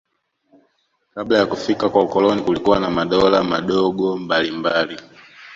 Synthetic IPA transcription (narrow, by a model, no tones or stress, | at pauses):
kablajakufikakwaukɔlɔnikulikuwanamaɗɔlamaɗɔɡɔmbalimbali